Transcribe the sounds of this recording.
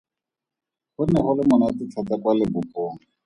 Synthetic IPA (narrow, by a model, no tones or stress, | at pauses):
hʊnɛχʊlɪmʊnatɪt͡ɬʰat͡sakwalɪbʊpoːŋ̩